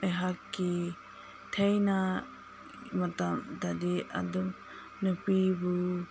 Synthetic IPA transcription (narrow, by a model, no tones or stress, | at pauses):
ajɦakːi | tʰejna | matamtadia̰dum | nupibu